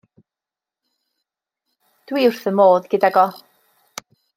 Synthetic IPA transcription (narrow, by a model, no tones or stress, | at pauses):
d̥wiːr̥θəmoːðɡɪdaɡɔ